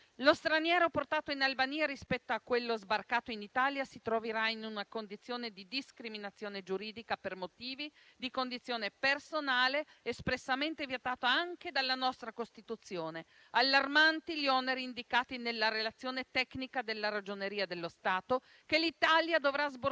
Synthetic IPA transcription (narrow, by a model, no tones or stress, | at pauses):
lost̪ɾanjɛːɾoport̪aːt̪oinalbaniːaɾispɛt̪ːoakːwelːozbarkaːt̪oinit̪aːljasit̪ɾoveɾainunakond̪it̪sːjoːned̪id̪iskɾiminat̪sːjoːned͡ʒuɾiːd̪ikapermot̪iːvi | d̪ikond̪it̪sːjoːnepersonaːleːspɾesːament̪evjet̪aːt̪oaŋked̪alːanɔst̪ɾakost̪it̪ut̪sːjoːne | alːarmant̪iʎiɔneɾiːnd̪ikaːt̪inelːaɾelat̪sːjoːnet̪ɛknikad̪elːaɾad͡ʒoneɾiːad̪elːost̪aːt̪o | kelit̪aljad̪ovɾazbo